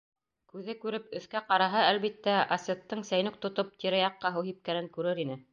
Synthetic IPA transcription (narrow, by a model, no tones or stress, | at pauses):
kʉðɘkʉɾɘp̚ɵ̆θkæqɑɾɑɦɑælβit̪ːæɐsʲet̪ːɤɴsæjnɵk̚t̪ŏt̪op̚t̪iɾɑjɑqːɑɦɤwhip̚kæɾɘŋkʉɾɘɾinɘ